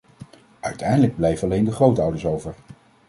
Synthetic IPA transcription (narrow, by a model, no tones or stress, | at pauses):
œɥtʰɛjndələɡ̚blɛjvəɑlejndəχrowtʌwdəɹsowvəɹ